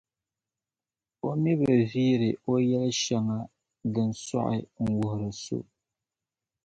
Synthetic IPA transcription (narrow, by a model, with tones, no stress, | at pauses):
o˦mi˦ba˨viː˦ɾɨ˨o˦jɛ˦lʃɛ˦ŋa˦ | dɨ˨n˨sa̰˦ʔɪ̰˨ŋ̩˨wʊ˨hʊ˨ɾɨ˨so̰˦